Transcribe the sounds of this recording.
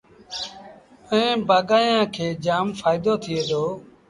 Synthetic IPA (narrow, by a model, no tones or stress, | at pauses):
əẽːbaːɠaːjãːkʰeːd͡ʒaːmfaːɪd̪oːt̪ʰɪeːd̪oː